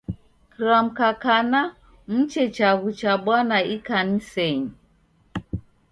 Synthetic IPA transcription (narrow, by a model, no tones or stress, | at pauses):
kiɾam̩kakana | m̩t͡ʃɛt͡ʃaɣut͡ʃaɓwanaikanisɛɲi